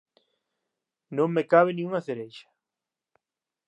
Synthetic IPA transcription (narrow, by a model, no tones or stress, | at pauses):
nõŋmekaβɪnĩŋuŋaθeɾejʃḁ